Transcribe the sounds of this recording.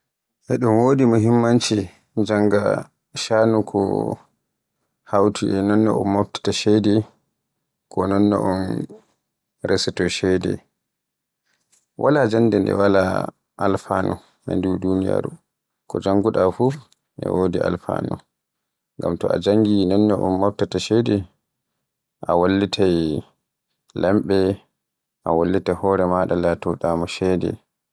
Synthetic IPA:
ʔɛɗunwoːdimuɦimːant͡ʃi | d͡ʒaŋɡa̰ | ʃanukʰɔ̰ | hawtʰiʔɛnɔnːɔʔɔ̰mːofti̥taʃɛdɛ | kɔnɔnːɔ̰ʔɔn | ɾɛsɛtɔʃɛdɛ̰ | wʔalad͡ʒanːdɛndɛ̰wala | ʔalfanɔ̰ | ma̰ndudunija̰ɾu | kɔd͡ʒaŋɡuɗafu | ʔɛ̰wodialfa̰nṵ | ŋɡamtɔʔad͡ʒaŋɡinɔnːɔʔɔ̰nːaftataʃɛdɛ | ʔawalːitʰaj | lɛmɓɛ | ʔawalːitahɔːɾɛmaɗalatɔɗamɔʃɛdɛ̰

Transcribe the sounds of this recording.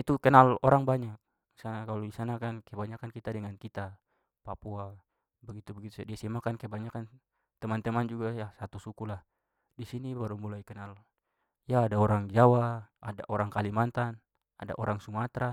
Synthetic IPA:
it̪ukənalɔɾaŋbaɲak̚ | isanakaloɡisanakankaɛbaɲakankit̪adəŋankit̪a | papua | bəɡit̪ubəɡit̪udiasimakankabaɲakan | t̪əmant̪əmand͡ʒuɡajasat̪usukulah | disinibaɾumulajkɛnal | jaːdaɔɾaŋd͡ʒawaadaʔɔɾaŋkalimant̪an | ada̰ʔoɾaŋsumat̪ɾa

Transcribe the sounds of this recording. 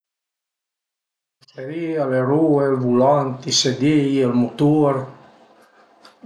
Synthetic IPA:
seɾialeɾuelvulant̪ised̪ejelmut̪uɾ

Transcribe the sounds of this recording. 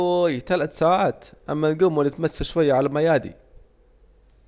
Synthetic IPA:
jt̪alat̪saːʕaːt̪ʔamːalɡumːalɪt̪masːaʃwajːaʕalamajaːd̪ḭ

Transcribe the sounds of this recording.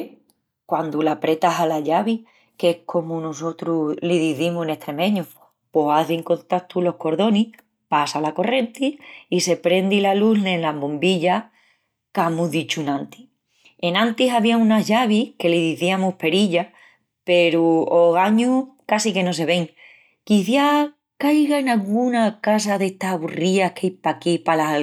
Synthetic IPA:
kwand̪ulapɾe̞t̪aɦalaʎaβi | ke̞hkʰo̞munuso̞t̪ɾuliðiθimuhene̞ht̪ɾe̞mẽ̞ɲu | posaðiŋko̞nt̪at̪ulo̞hko̞ɾðo̞nih | pasalako̞re̞nt̪iise̞pɾe̞nd̪ilalulenlaβombiʎa | kamuðit͡ʃunãnt̪i̥ | e̞nãnt̪isaβiaũnaʝaβ̞ihke̞liðiθiamuhpe̞ɾiʎa | pe̞ɾuoɣaɲukasike̞no̞s̬e̞βe̞ŋ | kiθja | kajɣaenalɣunakas̬aðe̞ht̪aɦaβuriahkʰejpakipala

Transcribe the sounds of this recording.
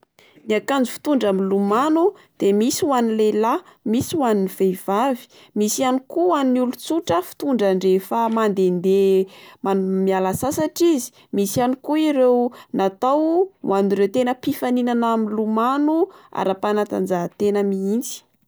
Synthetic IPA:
niakand͡zu̥fi̥t̪uɳɖ͡ʐaminlumanud̪̥emisiwanilelamisiwaninivejv̥avi̥ | misianikuaninulut͡suʈ͡ʂəfi̥t̪uɳɖ͡ʐaɳɖ͡ʐefamand̪end̪emamialasasaʈ͡ʂizi̥ | misanikuiɾewnat̪awwʔaniɾewt̪enəpifaninanaminlumanua̰ɾapanat̪a̰nd͡zaɦat̪enəmiint͡si̥

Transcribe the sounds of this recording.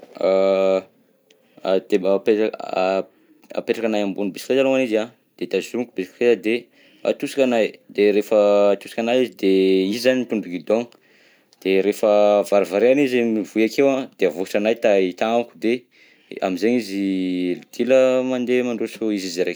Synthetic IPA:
a | d̪̥eape | a̰peʈ͡ʂakanajambunibesikɾezaloŋaniza | d̪̥et̪azukubesi̥krezad̪e | a̰t̪usi̥kʲanajd̪eɾefət̪usikanajizid̪eizizanimt̪uɳɖ͡ʐuɡid̪oŋ | d̪̥eɾefəvaɾivaɾeanizemivujakewãd̪̥eavuʈ͡ʂanajt̪ait̪aŋakud̪e | a̰mizeɲizilid̪̥iləmand̪emaɳɖ͡ʐosoizizɾek

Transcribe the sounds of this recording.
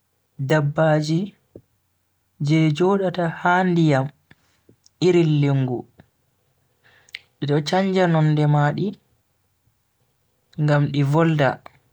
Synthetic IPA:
dabːaːd͡ʒi | d͡ʒɛd͡ʒɔːɗatahandijam | ʔiɾilːiŋɡu | ɗiɗɔt͡ʃaɲd͡ʒanɔnːdɛmaɗi | ŋɡamɗivɔlda̰

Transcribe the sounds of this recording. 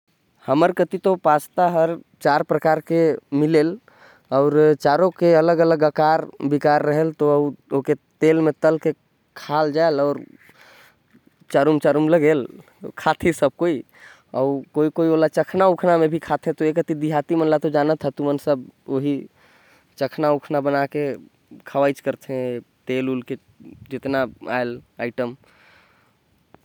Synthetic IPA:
həməɾkət̪it̪opat͡ʃt̪aɦəɾ | t͡ʃaɾpɾəkaɾkemilel | aʊɾt͡ʃaɾokeələɡələɡəkaɾbikaɾːəɦelt̪oəuoket̪elmet̪əlke | kʰald͡ʒaelɔʊɾ | t͡ʃaɾumt͡ʃaɾumləɡel | kʰat̪ʰisəb̚koi | ɔ̰ukoikoiolat͡ʃəkʰnaukʰnamebʱikʰat̪ʰẽt̪ɔekət̪id̪iɦat̪imənlat̪ɔd͡ʒanət̪ʰɦɛt̪umənsəboɦi | t͡ʃəkʰnaukʰnabənake | kʰəʋajt͡ʃkəɾt̪ʰɛ̃t̪elulke | d͡ʒet̪naa̰ela̰ɪʈəm

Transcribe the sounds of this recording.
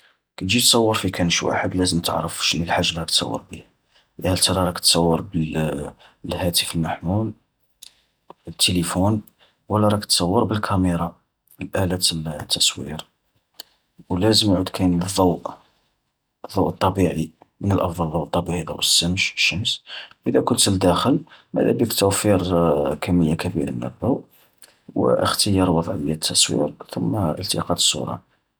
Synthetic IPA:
kæt̪ʒit̪sˤɑwːəɾˤfikʰænʃwa̰ħəd̪læzəmt̪ə̰ʕɾəfʃnəlħaʒːlɾˤɑk̚t̪sˤɑ̰wːə̰ɾˤbih | ʔhælt̪ɑɾˤɑɾˤɑkə̥t̪sˤɑwːəɾˤbəl | lhæt̪əfəlmaħmul | t̪ʰːelifun | wəlːæɾˤɑkə̥t̪sˤɑwːəɾˤbəlkʰæməɾˤɑ | əlʔælæt̪t̪ʰːɑswḭɾ | wlæzəmʕud̪kʰæjnðˤːɑwʔ | əðˤːɑwʔət̪ˤːɑbiʕimənəlʔɑfd̪ˤɑlðˤɑwʔət̪ˤːɑbiʕid̪ˤɑ̰wəsːəmʃəʃːəmsʔəd̪ækʊnt̪əld̪æxəlmæ̰d̪æ̰bikt̪ːuwfiɾkʰæmːəjːakæbḭɾə̰nːæ̰bːæw | wə̰ʔə̰xt̪əjɑɾˤwɑd̪ˤʕbəjːæt̪ʰːɑswḭɾt̪ʊmːəlt̪ḭqɑd̪ə̥sːṵɾˤɑ̰

